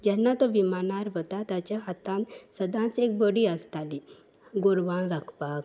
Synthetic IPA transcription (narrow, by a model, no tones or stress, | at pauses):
d͡ʑɛnːat̪ɔʋimanaɾɦot̪at̪jat͡ɕjaɦat̪ãnsəd̪ʱãt͡sek̚bəɽiːəst̪ali | ɡoɾʋaɭɾakʰpak̚